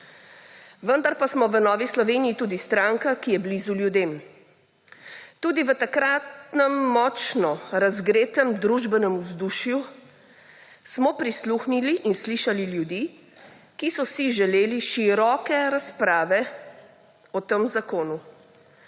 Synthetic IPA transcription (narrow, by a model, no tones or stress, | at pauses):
ʋənd̪aɾpasmɔʋənɔːʋislɔʋeːnijit̪uːd̪ist̪ɾaŋkakijɛblizuljud̪eːm | t̪uːd̪iʋət̪akɾaːt̪nɛmːɔt͡ʃnɔɾazɡɾeːt̪əmd̪ɾuʒbɛnɛmuzd̪uʃju | smɔpɾisluxniliʔːnsliʃaliljud̪i | kisɔsiʒɛleːliʃiɾɔkɛɾaspɾaːʋɛ | ɔt̪əmzakoːnu